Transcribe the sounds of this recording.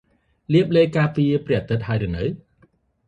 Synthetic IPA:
liəp̚leːkaːpiəprɛ̆əʔat̪ɨt̪̚haəjɾɨənɨw

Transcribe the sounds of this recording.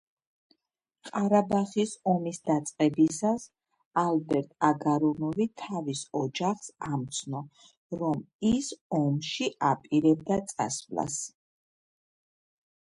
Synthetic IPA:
qʼaɾabaχisɔmisd̪at̪sʼqʼɛbisas | albɛɾt̪ʼaɡaɾɔnɔvit̪ʰavisɔd͡ʒaχsamt̪sʰnɔ | ɾɔmisɔmʃiʔapʼiɾɛb̚d̪at̪sʼa̰svla̰s

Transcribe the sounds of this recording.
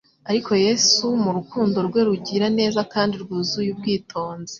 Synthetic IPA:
aɾikʰo̞je̞sumuɾukuːndo̞ɾɡwe̞ɾuɟiɾane̞ːzakaːndiɾɡuzujub̚ɡiːtʰo̞ːnze

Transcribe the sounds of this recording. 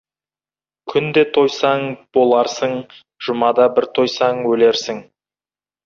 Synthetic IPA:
kʲʰʏnd̪e̞t̪ʰo̞jsɑɴb̥o̞lˠɑɾsəɴ | ʒ̥ʊmɑd̪ɑbɪɾt̪ʰo̞jsɑŋwɵle̞ɾsɪŋ

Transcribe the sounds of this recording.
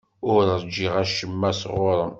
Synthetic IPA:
ʊɾəd͡ʒːiʁæʃəmːæsʁʊɾˤən

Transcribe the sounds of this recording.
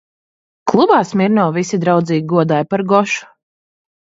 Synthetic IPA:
klˠubaːsmiɾnɔːvisid̪ɾawd̪ziːɡʲiɡuɔd̪aːjpaɾɡɔʃu̥

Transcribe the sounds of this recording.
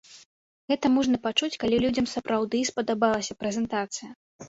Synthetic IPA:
ɣɛt̪ɐmɔʐnɐpat͡ʂut͡sʲkalʲilʲud͡zʲɐmsɐpɾawd̪ɨspɐd̪abalˠɐsʲɐpɾɛzʲɛnt̪at̪sɨjɐ

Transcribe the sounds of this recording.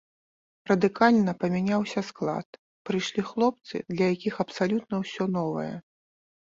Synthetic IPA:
rɐd̪ɨkalʲnɐpɐmʲanʲawsʲɐsklˠa̰t̪̚ | pɾɨjʂlʲixlˠɔp̚t̪sɨ̰d̪lʲɐjakʲixɐpsalʲut̪̚nɐwsʲɔnɔvɐ̰jɛ̰

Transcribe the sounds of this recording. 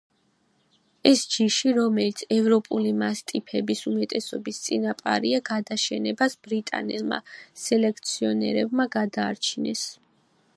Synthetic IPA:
ɛsd͡ʒiʃiɾɔmɛlit̪sʰɛvɾɔpʼulimast̪ʼipʰɛbisumɛt̪ʼɛsɔbist̪sʼinapʼa̰ɾiaɡad̪aʃɛnɛbasb̥ɾit̪ʼa̰nɛlˠma̰sɛlɛk̚ʰt̪sʰiɔnɛ̰ɾɛbmaɡad̪a̰ːɾt͡ʃʰinɛs

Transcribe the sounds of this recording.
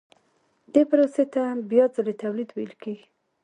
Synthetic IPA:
d̪epəɾoset̪abjɑzalet̪awlid̪wḛlkeɡi

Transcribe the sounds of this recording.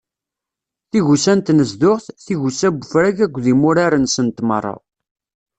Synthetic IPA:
θiʝusænt̪nəzd̪ʊʁθθiʝusæbːəfɾæɡækʷːðimʊɾaɾənsənt̪mə̰rˤːɑ̰

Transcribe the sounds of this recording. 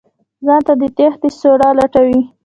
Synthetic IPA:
zɑnt̪ad̪ət̪ext̪əsoɽɑlaʈawi

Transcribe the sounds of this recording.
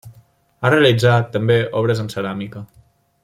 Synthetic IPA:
areəlid͡zat̪ːəmbeʔɔβ̞ɾəzənsəɾamikə

